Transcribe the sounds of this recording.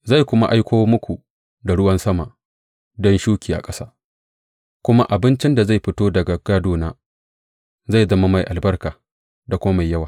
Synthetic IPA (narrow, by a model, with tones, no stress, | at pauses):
za˦˨jkʷʊ˦ma˦ʔa˦jkʷoː˦mʊ˦kʷu˨ | da˨ɽʊ˦wɐ˦nsɐ˦ma̰˨ʔ | dɔ˦nʃuː˦kʲiː˨ʔa̰˨kʼɐ˦saː˦ | kʷʊ˦ma˦ʔa˨bɪ˦nt͡ʃɪ˦nda˨za˦˨jɸɪ˦toː˦dɐ˨ɡa˨ɡ̥aː˦doː˨naː˦ | za˦˨zɐ˦ma˦ma˨jʔa˨lbɐ˦rkaː˨ | da˨kʷʊː˦ma˦ma˨jːɐ˦waː˨